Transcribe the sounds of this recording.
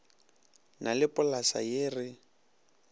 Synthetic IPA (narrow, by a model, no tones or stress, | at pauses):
nʔalɪpʊlasa̰jɪːrɪ